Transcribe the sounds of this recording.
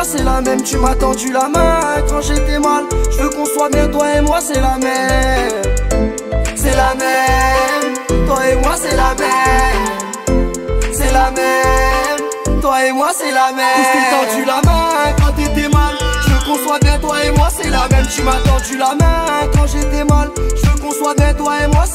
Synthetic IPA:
sɛlamɛmt̪ymat̪ɑ̃d̪ylamɛ̃kɑ̃ʒet̪ɛmalʒəvəkɔ̃swabjɛ̃t̪waemwasɛlamɛɛ | sɛlamɛm | t̪waemwasɛlamɛm | sɛlamɛm | t̪waemwasɛlamɛkyt̪ɑ̃md̪ylamɛ̃ɛ̃kɑ̃t̪ed̪ɛmalʒəməkɔ̃swabjɛ̃t̪waemwasɛlamɛmt̪ymat̪ɑ̃d̪ylamɛ̃ɛ̃kɑ̃ʒet̪ɛmalʒəvəkɔ̃swabjɛ̃t̪waemwa

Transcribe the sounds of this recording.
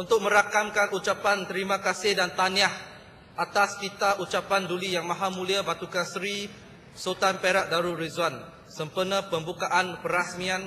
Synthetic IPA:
unt̪ʊk̚mə̃ɾakamkanʔut͡ʃapant̪əɾimãkasɪhdant̪aniah | ʔat̪askit̪aʔut͡ʃapandulijaŋmãɦamũliabat̪ukasɾi | sot̪anpeɾaʔ̚daɾuɾizwan | səmpərnəpəmbukaʔanpəɾasmian

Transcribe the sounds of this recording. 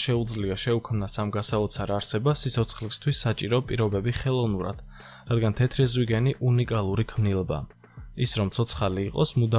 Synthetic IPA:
ʃɛud̪zliaʃɛukʰmnasamɡasaɔt̪sʰaɾaɾsɛbasit̪sʰɔt̪sʰχlist̪ʰwisːat͡ʃʼiɾɔpʼiɾɔbɛbiχɛlˠɔvnuɾa̰d̪̥ | ɾad̪ɡant̪ʰɛt̪ʰɾɛzwiɡɛniʔunikʼalˠuɾikʰmnilˠba̰ | isɾɔmt̪sʰɔt̪sʰχaliːqʼɔsmud̪a

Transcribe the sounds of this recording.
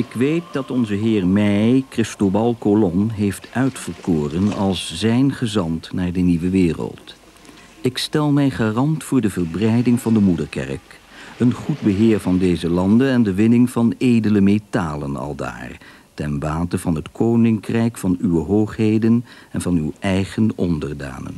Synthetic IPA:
ɪkʋejt̚dɑtɔnzəɦɪːɹmɛjkrɪstobɑlˠkolɔnɦejftœɥtfəɹkoːrənɑ̰lˠszɛjnχəzɑntnaːɹdəniʋəʋɪːrə̰lˠt | ɪkstɛlˠmɛjχaːrɑntfʊːɹdəvəɹbrɛjdɪŋv̥ɑndəmudəɹkɛ̰rk | ənχud̚bəɦɪːɹvɑndejzəlɑndənɛndəʋɪnɪŋv̥ɑnejdələmetaːlənɑ̰lˠda̰ːr | tɛnʋaːtəv̥ɑnɦətkʰownɪŋkrɛjkfɑnyʋəɦowχɦejdənɛnvɑnywʔɛjχənɔndəɹda̰ːnə̰n

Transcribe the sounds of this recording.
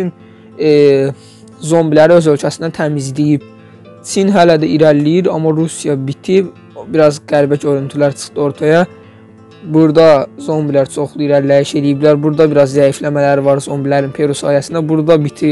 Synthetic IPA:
in | zo̞mbilæɾiøzø̞lʲcʰæsinæt̪ʰæmizlijib̥̚ | t͡ʃʰinɦælæd̪æiɾælːijiɾɑ̰mːɑɾusijɑbit̪ʰib | biɾɑzɡ̥æɾbæcʰoɾynt̪ʰylæɾt͡ʃʰɯ̥χt̪ɯo̞ɾt̪ʰɑjɑ | buɾd̪ɑzo̞mbilæɾt͡ʃʰo̞χlˠuiɾæɾlæjiʃe̞lijiblæɾbuɾd̪ɑbiɾɑzzæjiflæmælæɾivɑɾzo̞mbilæɾinpʰe̞ɾusɑ̰ːhijæsind̪æbuɾd̪ɑbit̪ʰi

